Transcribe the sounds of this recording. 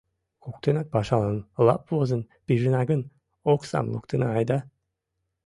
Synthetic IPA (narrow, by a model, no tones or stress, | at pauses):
kʰuk̚t̪ʰɯnak̚baʃalˠɯnlˠa̰pvozɯn | b̥iʒinaɡɯn | oksa̰mlˠṵkt̪ʰɯnaajd̪a